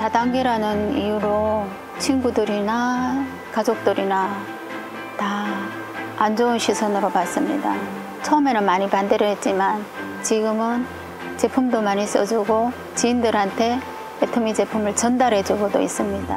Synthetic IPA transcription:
tadaŋɡeɾanɯnḭjuɾo | t͡ɕʰinɡudɯɾina | kad͡ʑok̚t͈ɯɾina | taː | nd͡ʑounɕʰisʰʌnɯɾopas͈ɯmɲḭda | t͡ɕʰʌʌme̞nɯnmaɲipandeɾjʌɦe̞t̚t͡ɕ͈iman | t͡ɕiɡɯmɯn | t͡ɕe̞pʰumdomaɲis͈ʌd͡ʑuɡo | t͡ɕiːndɯɾɦantʰe̞ | etʰɯmid͡ʑe̞pʰumɯɭt͡ɕʌndaɾɦe̞d͡ʑuɡodo̰is͈ɯmɲida

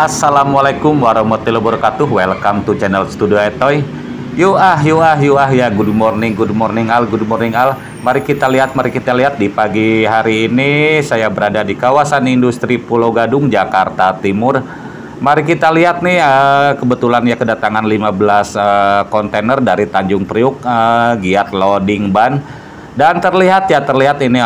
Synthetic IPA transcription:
ʔasːalamwalakʊmwaɾɔmɔt̪ilobuɾkat̪ʊɦwɛlkamt̪ut͡ʃɛnɛlsə̥t̪udioɛt̪ɔj | juʔaɦjuaɦjuaɦjaɡudumɔrnɪŋɡudumɔrnɪŋalɡudumɔrnɪŋal | maɾihkit̪aliɦat̪̚maɾikit̪aliɦat̪̚dipaɡiɦaɾiːnisajabəɾadadikawasanindust̪ɾipulowɡadʊŋd͡ʒakart̪at̪imʊr | maɾikit̪aliɦat̪̚nɪhəkəbət̪ulanjakədat̪aŋanlimabəlasəkɔnt̪enərdaɾit̪aɲd͡ʒʊŋpɾiʊk̚əɡiat̪̚lodɪŋban | dant̪ərliɦat̪̚jat̪ərliɦat̪ini

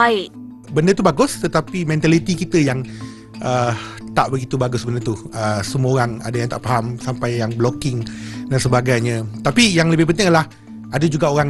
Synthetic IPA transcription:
aɪʔ | bəndət̪ubaɡʊst̪ət̪apimɛ̃nt̪alit̪ikit̪əjaŋ | ʔət̪aʔbəɡit̪ubaɡʊsbəndərt̪uʔəsəməoɾaŋa̰dajaŋt̪a̰ʔpaɦamsampajjaŋblokɪŋdansəbaɡajɲə̃t̪apijaŋləbɪhpənt̪ɪŋəlah | adad͡ʒuɡaoɾaŋ

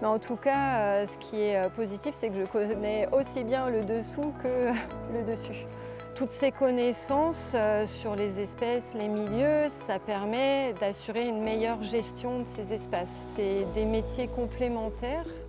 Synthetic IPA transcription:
mɛɑ̃t̪ʰukaøsə̥kʲʰiɛøpozit̪ifsɛkəʒəkɔnɛosibjɛ̃ləd̪əsukəøləd̪əsy | t̪ut̪sekɔnɛsɑ̃søyʁlezɛspɛslemiljøsapɛʁmɛd̪asyʁeynmejœʁʒɛst̪jɔ̃d̪əsezɛspas | sed̪emet̪jekɔ̃plemɑ̃t̪ɛʁ

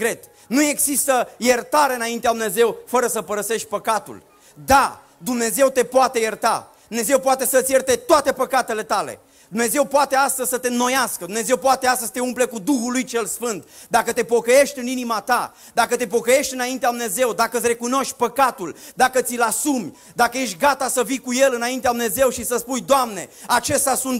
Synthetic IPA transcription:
kɾet̪ | nue̞ɡzist̪əjert̪aɾeɨnaint̪ead̪umne̞ze̞wfəɾəsəpəɾəse̞ʃt̪̚ʲpəkat̪ṵl | d̪a | d̪umne̞ze̞wt̪e̞poat̪e̞jert̪a̰d̪umne̞ze̞wpoat̪e̞sət̪sʲjert̪e̞t̪oat̪e̞pəkat̪e̞le̞t̪alḛ | d̪umne̞ze̞wpoat̪east̪əz̥ʲsət̪e̞no̞jaskəd̪umne̞zewpoat̪e̞ast̪əst̪eumple̞kud̪uxulujt͡ʃe̞lsfɨnt̪d̪akət̪e̞po̞kəje̞ʃt̪ʲɨninimat̪a | d̪akət̪e̞po̞kəje̞ʃt̪ʲɨnaint̪ead̪umneze̞wd̪akəɨt̪ʲre̞kuno̞ʃt̪̚ʲpəkat̪uld̪akət̪silasumʲ | d̪akəje̞ʃ̬t̪ʲɡat̪asəvikuje̞lɨnaint̪ead̪umne̞ze̞wʃisəspujd̪oamne̞at͡ʃe̞st̪asunt̪

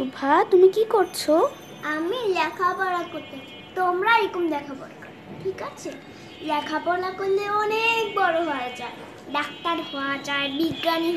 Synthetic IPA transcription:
ubʱat̪umikikoɾt͡ɕʰo | amilakʰapɔɾad̪̚koɾt̪e | t̪omɾaekumd̪ɛkʰapɔɾka | ʈʰikat͡ʃʰe | lakʰapɔɾlakond̪eɔnek̚bɔɾoɦɔjd͡ʒa | ɖak̚t̪aɾɦɔat͡ʃabiɡːani

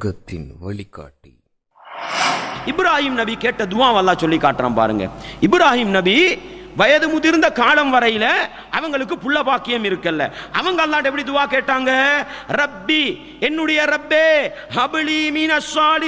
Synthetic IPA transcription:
ɣɐt̪ːɪ̰nʋɐ̰ɭɪkːa̰ːʈːḭ | ɪbɪɾaːɦiːmnɐbikeːʈːɐd̪ʊaːʋɐlːaːsɔlːikːaːʈːɾa̰ːmpa̰ːɾɯ̰ŋɡɐ̰ɪbɪɾaːhiːmnɐbiʋɐjɐðɯmʊðɪɾɯnd̪ɐkaːlɐmʋɐɾɐjɪlɐ | ʔɐʋɐŋɡɐɭɯkːɯpʊɭːɐbaːkːɪjɐmɪɾɯkːɐlːɐ̰ʔɐ̰ʋɐŋɡɐɐlːaːɖɛpːɐɽid̪ʊaːkeːʈːaːŋɡɐɾɐbːi | ɛnːɯɽɐjɐɾɐbːeː | hɐbɪlimiːnɐsaːli

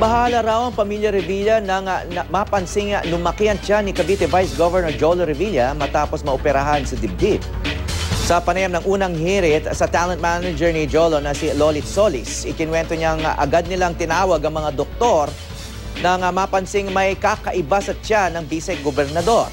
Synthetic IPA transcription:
bɐɦaːlɐɾawɐŋpɐmiljɐɾɪviljɐnɐŋnɐmapɐnsɪŋnʊmɐkiɐnt͡ʃanɪkɐbiːt̪ɛvajsɡovɛɹnoɹd͡ʒoloɾɪviljɐmɐt̪aːposmɐʔopɛɾɐɦansɐd̪ɪb̚d̪ib | sɐpɐnɐjamnɐŋʔuːnɐŋhiɾɪt̪sɐt̪alɐnt̪manɐd͡ʒɛɹnɪd͡ʒolonɐsilolɪsolɪsɪkɪnwɛnt̪oɲaŋʔɐ̰ɡad̪̚nɪlaŋt̪ɪnaːwɐɡɐŋmɐŋad̪ok̚t̪o̞ɾ | nɐŋɐmapɐnsɪŋmɐjkakɐʔɪbasɐt͡ʃanɐŋbiːsɛɡobɛɾnɐd̪o̞r

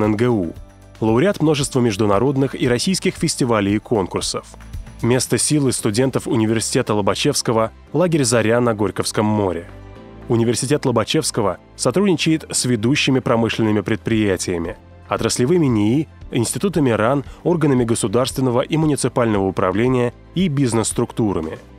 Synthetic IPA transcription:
ɛnɡɛu | lˠəʊɾʲɪat̪mno̞ʐɨst̪vəmʲɪʐd̪ʊnɐɾo̞d̪nɨxiɾɐsʲijskʲɪxfʲɪsʲtʲɪvalʲɪjkʰo̞nkʊrsəfmʲe̞st̪əsʲilˠɨst̪ʊdʲe̞nt̪əfʊnʲɪvʲɪrsʲɪ̥tʲet̪əlˠəbɐt͡ɕe̞fskəvə | lˠaɡʲɪɾʲzɐɾʲanɐɡo̞ɾʲkəfskəmːo̞ɾʲɪ | ʊnʲɪvʲɪrsʲɪtʲe̞t̪lˠəbɐt͡ɕefskəvə | sɐt̪ɾudʲnʲɪt͡ɕɪjɪt̪sʲvʲɪd̪uɕːɪmʲɪpɾɐmɨʂlʲɪnːəmʲɪpɾʲɪt̪̚pɾʲɪjætʲɪjəmʲɪ | ɐt̪ɾəslʲɪvɨmʲɪnʲɪiɪnsʲtʲɪt̪ut̪əmʲɪɾano̞rɡənəmʲɪɡəsʊd̪arst̪vʲɪnːəvəʔimʊnʲɪt̪sɨpalʲnəvəʊpɾɐ̰vlʲenʲɪjə | ibʲiznəsːt̪ɾʊkt̪uɾəmʲɪ

